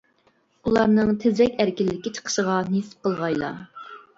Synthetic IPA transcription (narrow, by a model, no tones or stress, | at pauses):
ulˠɑɾnɨŋt̪ʰɪzɛkʲæɾkʲilːɪkʲit͡ʃʰə̥qʰə̥ʃəʁɑnesɪ̥p̚qʰəlˠʁɑjlˠɑ̰